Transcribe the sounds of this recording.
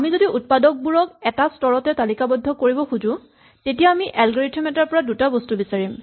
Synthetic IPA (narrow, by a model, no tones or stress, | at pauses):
amizodiʔut̚padɔk̚buɹɔkɛtastɔɹɔtɛtalikabɔdʱːɔkoɹibɔxuzʊ̃ | tetijaːmiʔɛlɡɔɹetʰɔmɛtaɹpɔɹadutabɔstubisaɹim